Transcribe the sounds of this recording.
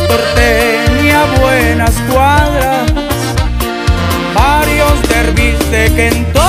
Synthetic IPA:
oɾt̪eniaβwenaskwaðɾa | s | baɾjozd̪eɾβisekent̪o

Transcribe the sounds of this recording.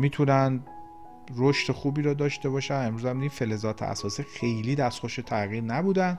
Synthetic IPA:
miːt̪ʰunæn | roʃt̪exuːbiːɾɒːd̪ɒːʃt̪e̞bɒːʃæne̞mɾuːzæmid̪ife̞le̞zɒːt̪ʰḛæ̰sɒːsiːxe̞jliːd̪æst̪χoʃet̪ʰæɣiːɾnæbuːd̪æn

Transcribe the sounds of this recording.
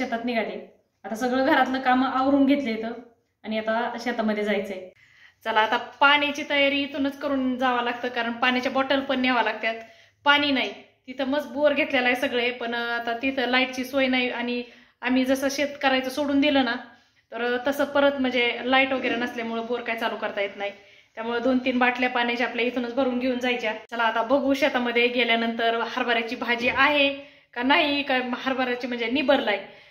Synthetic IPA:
ɕet̪at̪niɡʱaliː | at̪asəɡɭəɡʱəɾat̪ləːkamaʋɾuːnɡʱet̪ləjet̪ʰəː | aɽ̃iat̪aɕet̪aməd̪ʱːjed͡zajt͡səje | t͡salaːt̪apaɽ̃at͡ɕiːt̪əjaɾiːt̪unət͡skəɾuːnd͡zaʋalaɡt̪əːkaɾəɳpaɽ̃it͡ɕjabɔʈəlpəɳːjaʋalaɡ̚t̪jat̪ | paɽ̃iːnaɦi | t̪it̪ʰəməd͡z̚boɾɡʱet̪ljalaesəɡɭepəɳat̪at̪it̪ʰəlaiʈ̚t͡ɕiːsojnaiʔaɽ̃i | am̤iːd͡zəsəɕet̪kəɾajt͡səsoɽuːnd̪iləːna | t̪əɾt̪əsəpəɾət̪m̤əɳd͡zelaiʈʋəɡeɾenəslemuɭəboɾkajt͡saluːkəɾt̪ajet̪naɦi | t̪jamuɭed̪ont̪iːnbaʈʰljapanjat͡ɕapljait̪ʰunət͡sbʱəɾuːnɡʱeuːnd͡zajt͡ɕjat͡ɕalaːt̪abəɡuːɕat̪aməd̪ʱːjeɡʱeljanənt̪əɾhaɾbaɾjat͡ɕiːbʱad͡ʑiːʔaɦe | kanaɦikahaɾbaɾjat͡ɕiːm̤əɳd͡zenibəɾlaj

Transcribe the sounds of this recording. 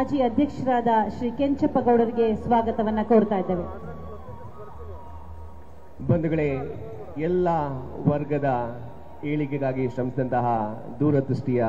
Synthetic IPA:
ad͡ʒiːɐd̪ʱjɐkʂɐɾaːd̪ɐʃɾiːkeɲt͡ʃɐpːɐɡɐwɽɐɾiɡe̞sʋaːɡɐt̪ɐʋɐnːɐkoːɾt̪aːjid̪ːeːʋe | bɐnd̪uɡɐɭe | ɛlːɐʋɐɾɡɐd̪ɐ | eːɭikeɡ̪aːɡiʃɾɐmsid̪ɐnt̪ɐɦɐ | d̪uːɾɐd̪ɾuʂʈijɐ

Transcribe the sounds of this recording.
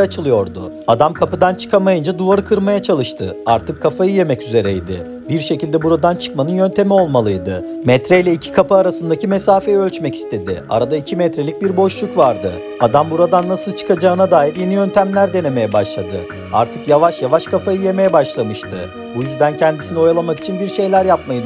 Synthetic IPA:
at͡ʃʰɯlˠɯjo̞ɾd̪ʊ̰ | ad̪amkʰapɯd̪ant͡ʃʰɯ̥kʰamajɯnd͡ʒad̪uvaɾɯkʰɯɾmajat͡ʃʰalˠɯʃt̪ʰɯ̰aɾt̪ʰɯkʰːafajɯje̞mɛcyze̞ɾɛjd̪ɪ̰ | biɾʃe̞cilʲd̪ɛbuɾad̪ant͡ʃʰɯ̥kmanɯnjø̞nt̪ʰe̞mio̞lˠmalˠɯjd̪ɯ | mɛt̪ɾɛjlʲɛicʰi̥kʰapɯaːɾasɯnd̪acʰimesaːfejø̞lʲt͡ʃmɛci̥st̪ʰe̞d̪ɪ̰a̰ɾad̪aicʰimɛt̪ɾe̞lʲic̚biɾbo̞ʃlˠukvaɾd̪ɯ̰ | ad̪ambuɾad̪anːasɯlˠt͡ʃʰɯ̥kʰad͡ʒaːɯnad̪aːjiɾje̞nijø̞nt̪ʰæmlʲæɾd̪e̞ne̞me̞jɛbaʃlˠad̪ɯ | a̰ɾt̪ʰɯkjavaʃjavaʃkʰafajɯje̞me̞jɛbaʃlˠamɯʃt̪ʰɯ̰ | bujyzd̪æncʰɛnd̪isinio̞jalˠamaki̥t͡ʃʰinbiɾʃe̞jlʲæɾjap̚majɯd̪

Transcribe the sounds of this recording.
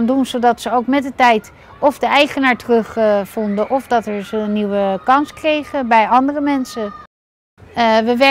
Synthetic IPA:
andunzowdɑtsəowkmɛt̚dətɛjt | ɔfdəɛjχənaːɹtərɵχfɔndəʔɔvdɑtɛɹzəənːiwəkɑnskrejχəbɛjɑndərəmɛnsə | əʋəʋɛ

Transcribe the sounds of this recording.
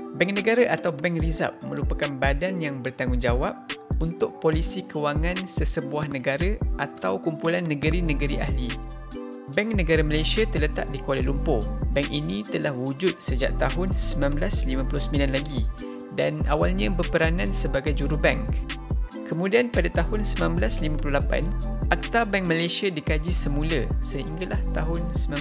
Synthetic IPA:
bɛŋnə̃ɡaɾaʔat̪awbɛŋriza̰p̚mə̰̃lupəkanbadanjaŋbərt̪aŋʊŋd͡ʒawap̚unt̪ʊk̚polisikəwaŋãnsəsəbuahnə̃ɡaɾaʔat̪awkumpulanːə̃ɡəɾinə̃ɡəɾiʔahli | bɛŋnə̃ɡaɾaməlajsiat̪ərlət̪a̰ʔ̚dikualelumpʊbɛŋkinĩt̪əlahwud͡ʒʊt̪̚səd͡ʒa̰ʔ̚t̪aɦʊnsəmãnblaslimãpulʊhsəmĩlanlaɡi | dana̰walɲãbərpəɾanãnsəbaɡajd͡ʒuɾubɛŋkkəmũdianpadat̪ahʊnsəmãmblaslimãpluhlapa̰nak̚t̪abɛŋkmalajsiadikad͡ʒisəmũləsəhiŋɡalaht̪aɦʊnsəmã

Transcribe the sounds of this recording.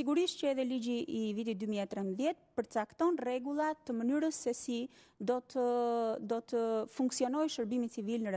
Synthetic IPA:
siɡuɾiʃcəɛðɛlid͡ʑiʔːvit̪it̪̚d̪ymiɛt̪ɾɛmðjɛt̪̚pəɾt̪ət͡sakt̪ɔnrɛɡulˠat̪əmənyɾəsːɛsi | d̪ɔt̪əd̪ɔt̪əfuŋksiɔnɔjʃəɾbimit͡sivilnəɾ

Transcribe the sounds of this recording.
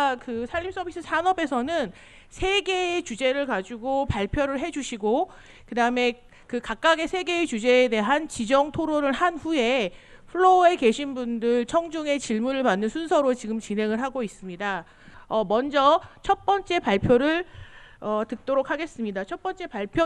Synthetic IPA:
kɯsʰaʎːip̚s͈ʰʌbis͈ʰɯsʰanʌbe̞sʰʌnɯn | sʰe̞ɡe̞ːt͡ɕud͡ʑe̞ɾɯɭkad͡ʑuɡopaɭpʰjoɾɯɭɦe̞d͡ʑuɕʰiɡo | kɯdaɯme̞ | kɯkak̚k͈aɡe̞sʰe̞ɡe̞ːt͡ɕud͡ʑe̞ːde̞ɦant͡ɕid͡ʑʌŋtʰoɾoɾɯɭhanɸue̞ | ɸʰɯɭːoe̞ke̞ɕʰinbundɯɭt͡ɕʰʌŋd͡ʑuŋe̞t͡ɕiɭmuɾɯɭpanːɯnsʰunsʰʌɾot͡ɕiɡɯmt͡ɕinɦe̞ŋɯɭɦaɡois͈ɯmɲida | ʌmʌnd͡ʑʌt͡ɕʰʌt̚p͈ʌnt͡ɕ͈e̞paɭpʰjoɾɯɭʌtɯk̚t͈oɾokʰaɡe̞s͈ɯmɲidat͡ɕʰʌt̚p͈ʌnt͡ɕ͈e̞paɭpʰj

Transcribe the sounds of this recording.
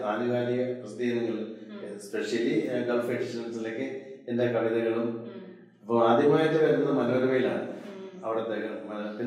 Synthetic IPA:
aːniʋaːlijɐkrɨst̪ijɐniŋɡɐɭspeʂjɐliɡɐlfeʈsiʂɐnsile̞ːkːɨende̞kɐʋiðɐɣɐɭum | ɐpːɐmaːd̪ʱjiɐmaːjiʈːɨʋɐɾunːɐðɨmɐlːoɾumɐjila̰ːɳɨɐʋiɽɐt̪ːekːɐmɐpinː

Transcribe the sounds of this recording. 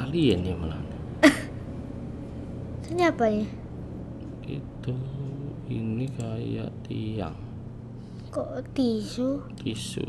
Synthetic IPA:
aliɛniməla̰ni | səɲabaɲe | kḭt̪u | inikaja̰ʔt̪ija̰ŋ | koʔt̪isut̪isṵ

